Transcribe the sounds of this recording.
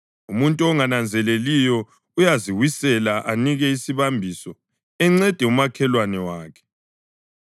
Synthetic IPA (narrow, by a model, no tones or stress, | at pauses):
umuntʼuɔŋanand͡zʱɛlelijɔ | ujaziwisɛlaʔaniɣɛisiβambʱisɔ | ɛŋ͡ǀɛd̥ʱɛumakʰɛlwanɛwaːkʰɛ̥